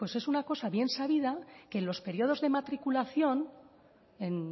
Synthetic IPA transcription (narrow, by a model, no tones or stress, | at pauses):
pwe̞se̞sunako̞saβje̞nsaβiðake̞ːnlo̞spe̞ɾjo̞ð̞o̞zðe̞mat̪ɾikulaθjo̞n | e̞n